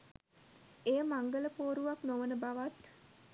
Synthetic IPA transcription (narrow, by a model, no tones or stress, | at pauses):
eːəmaŋɡələpoːɾuʋaknoʋənəbaʋat̪